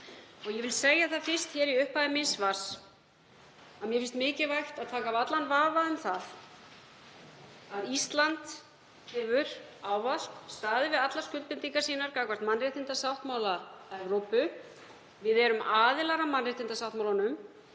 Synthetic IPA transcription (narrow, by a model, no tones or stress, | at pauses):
ɔɣjɛvɪlseːjaθaðfɪr̥st̪çɛːɾiʏhpaðɪmɪnsvas | aðmjɛfɪnst̪mɪːcɪvajxt̪aðt̪ʰaːkavat̪lanvaːvaʏmθað | aðist̪lant̪ | hɛvʏɾ̥aːwvaskst̪aːðɪvɪðat̪lḁskʏlpɪnt̪iŋkasiːnaɾkaːkvar̥t̪manrɛht̪ɪnt̪asawht̪mawlaɛvɾowpʏ | vɪðɛɾʏmaːðɪlaɾamanːrɪht̪ɪnt̪asawht̪mawlanʏm